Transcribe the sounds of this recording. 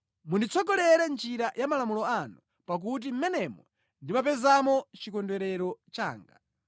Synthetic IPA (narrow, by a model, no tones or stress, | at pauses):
mundit͡sʰɔɡɔlɛɾɛnd͡ʒiɾajʔamalamulɔanu | pak̬ut̬im̩mɛnɛmwɔ | ndimap̬ɛzamɔt͡ʃikɔndwɛɾɛɾɔt͡ʃa̰ːŋɡa̰